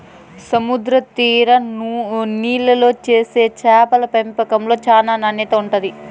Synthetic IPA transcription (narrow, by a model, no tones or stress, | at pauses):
sɐmud̪ɾɐt̪iːɾɐ | niːlɐlo̞ːt͡ʃe̞ːse̞ːt͡ʃaːpɐlɐpempɐkɐmlo̞ːt͡ʃaːnaːnɐnɛt̪ɐuɳʈɐd̪i